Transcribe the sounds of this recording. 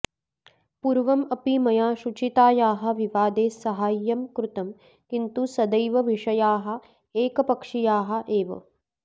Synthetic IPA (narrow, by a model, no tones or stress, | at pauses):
puɾʋɐmɐpimɐjaːʃut͡ʃit̪aːjaːɦɐ̆ʋiʋaːd̪eːsɐɦaːjːɐmkɾut̪ɐm | kint̪usɐd̪ɐjʋɐʋiʂɐjaːɦɐ̆ | eːkɐpɐkʂijaːɦɐ̆ʔeːʋɐ̰